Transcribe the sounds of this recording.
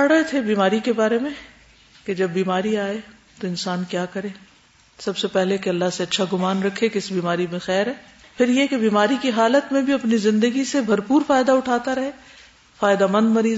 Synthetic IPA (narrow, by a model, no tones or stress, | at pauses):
ɐɽɐet̪ʰebiːmaːɾikebaːɾemẽ | ked͡ʒɐbːiːmaːɾiaːe | t̪oɪ̃nsaːnkjaːkɐɾẽː | sɐbsepɛɦlekeɐlːaɦseɐtːʃʰaɡʊmaːnɾɐkʰːekɪsbiːmaːɾimẽxɛːɾɦɛː | pʰɪɾjekebiːmaːɾikiɦaːlət̪mẽbʱiɐpnizɪ̃nd̪əɡisebʱɐɾpuːɾfaːɪd̪aʊʈʰaːt̪aɾɐɦeː | faːjd̪amɐ̃nd̪mɐɾiːz